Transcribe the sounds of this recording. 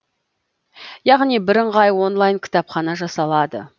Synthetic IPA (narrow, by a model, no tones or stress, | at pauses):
jɑʁnijbɪɾəɴʁɑjwo̞nlˠɑjŋkʲʰɪ̥t̪ɑpχɑnɑʒɑsɑlˠɑd̪ə̰